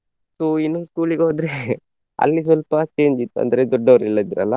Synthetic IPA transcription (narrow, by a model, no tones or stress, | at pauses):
soːinːoskuːliɡeɦoːd̪ɾe | ɐ̰lːis̬ʋɐlpɐt͡ʃe̞ːɲd͡ʒit̪ːuɐ̰nd̪ɐɾed̪ɔɖːɐʋɐɾilːɐd̪iɾɐ̰lːɐ